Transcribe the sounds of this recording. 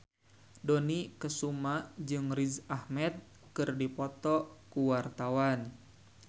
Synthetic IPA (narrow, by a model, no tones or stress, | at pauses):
dɔnikəsumad͡ʒɨŋrizahmɛt̪̚ | kɨrdipɔt̪ɔkuwart̪awan